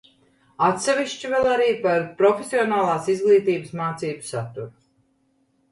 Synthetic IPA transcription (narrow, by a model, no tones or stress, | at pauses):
at̪sɛviʃt͡ʃivɛlˠaɾiːpaɾpɾɔfesʲiɔnaːlˠaːsizɡlˠiːt̪iːbəsmaːt̪siːbɨsat̪ːuɾu